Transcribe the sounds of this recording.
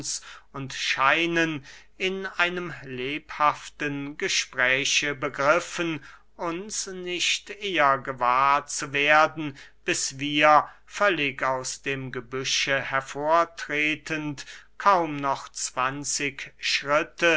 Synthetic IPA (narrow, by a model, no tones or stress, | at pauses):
sʊntʃaɪnən | ʔɪnʔaɪnəmleːphaftənɡəʃpʁ̥ɛːçəbəɡʁɪfən | ʔʊnsnɪçtʔeːɐɡəvaːɐt͡suveːɐdn̩b̥ɪsv̥iːɐfœlɪkaʊsd̥eːmɡəbʏʃəhɛɐfoːɐtʁ̥eːtʰəntkʰaʊmnɔχt͡sv̥ant͡sɪkʃʁ̥ɪtə